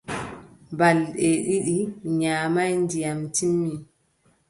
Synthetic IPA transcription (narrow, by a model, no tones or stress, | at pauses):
balɗɛɗiɗiɲaːmajndijamtimːi